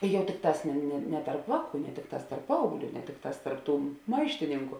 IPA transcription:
ˈjɛʊ ˈtʲɪkˌtɑːs nʲɛ nʲɛ tɐrp ˈʋɑːˌkuː nʲɛ ˈtʲɪkˌtɑːs tɐrp ˈpɐɐʊɡˌlʲuː nʲɛ ˈtʲɪkˌtɑːs tɐrp ˈtuː ˈmɐɪʃʲtʲɪnʲɪŋkʊ

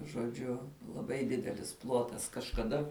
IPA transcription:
ʒoːˈd͡ʒʲʊ lˠɐˈbɐɪ ˈdʲɪdʲɛlʲɪs ˈplˠoːtɐs kɐʃkɐˈdɐ

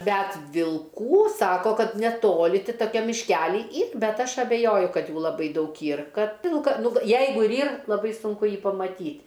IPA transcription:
ˈbʲæt ʋʲɪlˠˈkuː ˈsɑːkoː ˈkɐt nʲɛˈtoːlʲɪ ˈtʲɪ toːˈkʲɛm mʲɪʃʲˈkʲæːlʲiː ˈiːr ˈbʲɛt ˈɐʃ ɐbʲɛˈjoːjʊ ˈkɐt ˈjuː lˠɐˈbɐɪ ˈdɐʊk ˈiːr ˈkɐt ˈʋʲɪlˠkɐ ˈnʊ ʋ ˈjɛɪɡʊ ɪr ˈiːr lˠɐˈbɐɪ sʊŋˈkʊ ˈjiː pɐmɐˈtʲiːtʲ

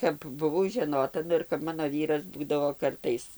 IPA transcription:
kɐp bʊˈʋɐʊ ʒʲɛˈnoːtɐ ˈnʊ ɪr kɐp ˈmɑːnoː ˈʋʲiːrɐs ˈbuːdɐʋoː ˈkɐrtɐɪs

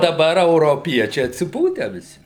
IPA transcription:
dɐˈbɐr ɛʊroːˈpʲiɛt͡ʃʲɛɪ ɐtʲsʲɪˈpuːtʲæː ʋʲɪˈsʲɪ

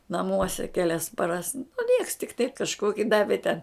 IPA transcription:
nɐˈmuɔsʲɛ kʲˈæːlʲɛs pɐˈrɐs nʊ nʲiɛks tʲɪk tɐɪp kɐʃˈkoːkʲɪ ˈdɑːʋʲeː tʲɛn

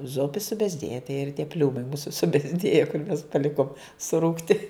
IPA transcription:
ˈzʊpʲɪ sʊbʲɛzʲˈdʲeːjɛ tɐɪ ɪr tʲiɛ ˈpʲlʲuːmɐɪ ˈmuːsʊ sʊbʲɛzʲˈdʲeːjɛ kʊr mʲɛs pɐˈlʲɪkoːm sʊˈruːktʲɪ

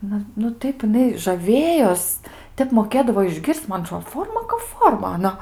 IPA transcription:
ˈnʊ nʊ ˈtɐɪp jɪˈnɐɪ ʒɐˈʋʲeːjoːs ˈtʲɛp moːˈkʲeːdɐʋoː ɪʒʲˈɡʲɪrʲsʲt͡sʲ ˈmɐn ɐˈtroːt ˈfoːrmɐ kɐp ˈfoːrmɐ ɐˈnɐ

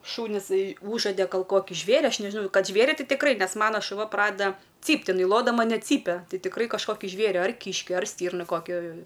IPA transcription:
ˈʃuːnʲɪs ˈuːʒɐdʲɛ ɡɐlˠ ˈkoːkʲɪ ˈʒʲʋʲeːrʲɪ ˈɐʃ ˈnʲæːʒʲɪnɐʊ ˈkɐt ˈʒʲʋʲeːrʲɪ ˈtʲɪ tʲɪkˈrɐɪ ˈnʲɛs ˈmɑːnoː ʃʊˈʋɐ ˈprɑːdʲɛdɐ ˈt͡sʲiːpt ɪˈnɐɪ ˈlˠoːdɐmɐ nʲɛt ˈt͡sʲiːpʲɛ ˈtɐɪ tʲɪkˈrɐɪ kɐʃˈkoːkʲɪ ˈʒʲʋʲeːrʲɪ ɐr ˈkʲiːʃʲkʲɪ ɐr ˈsʲtʲiːrnɐ ˈkoːkʲɛ

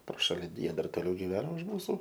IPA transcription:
proː ˈʃɑːlʲɪ dʲiɛ dɐr toːˈlʲɛʊ ɡʲɪˈʋʲæːnoː ʊʃ ˈmuːsʊ

